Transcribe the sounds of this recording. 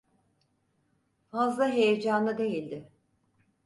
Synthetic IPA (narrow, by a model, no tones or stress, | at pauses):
fazlˠaɦe̞jed͡ʒanlˠad̪e̞jilʲd̪ɪ